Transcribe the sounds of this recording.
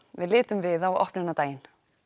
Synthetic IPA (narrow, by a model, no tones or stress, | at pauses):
vɪ̰ðlɪːt̪ʏmvɪðawɔ̰hpnɪnat̪aːjɪn